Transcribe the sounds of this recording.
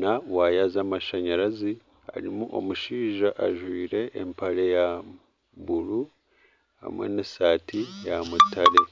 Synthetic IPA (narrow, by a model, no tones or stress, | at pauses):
nawaːjazamaʃaɲaɾazi | a̰ɾimuʔo̞̰muʃiːʒaʔaʒwiːɾe̞ʔːmpaɾe̞ja | βuɾu | ha̰mwḛnesaːtʰijamutʰaɾe̞